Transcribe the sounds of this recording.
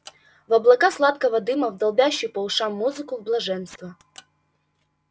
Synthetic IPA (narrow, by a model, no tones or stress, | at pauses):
vɐblˠɐkaslˠat̪kɐvɐd̪ɨmɐwd̪ɐlˠbʲaɕːipɔʊʂamːuzɨkʊwblˠɐʐɛnst̪vɐ